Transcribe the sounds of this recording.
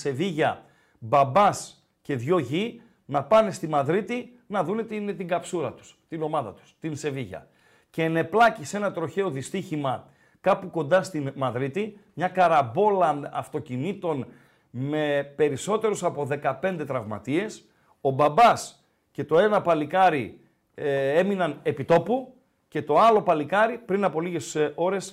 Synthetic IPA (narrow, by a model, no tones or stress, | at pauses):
se̞viʝɐ | bɐbɐs | ce̞ðʝo̞ʝi | nɐpɐne̞st̪imɐðɾit̪i | nɐðune̞t̪inet̪iŋɡɐpsuɾɐt̪u̥st̪ino̞mɐðɐt̪u̥st̪inse̞viʝɐ̰ | ce̞ːne̞plɐcise̞nɐt̪ɾo̞çe̞o̞ðist̪içimɐ | kɐpuko̞nd̪ɐst̪inmɐðɾit̪imɲɐkɐɾɐbo̞lɐɐft̪o̞cinit̪o̞n | me̞pe̞ɾiso̞t̪eɾusɐpo̞ðe̞kɐpe̞nd̪e̞t̪ɾɐvmɐ̰t̪ie̞s | o̞bɐbɐs | ce̞t̪o̞e̞nɐpɐlikɐɾi | e̞minɐne̞pit̪o̞pu | ce̞t̪o̞ɐlo̞pɐlikɐɾipɾinɐpo̞liʝe̞so̞ɾe̞s